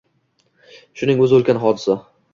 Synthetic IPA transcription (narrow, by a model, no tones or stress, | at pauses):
ʃʊnɪŋɵzɪɵlkʲanɦɒd̪ɪsa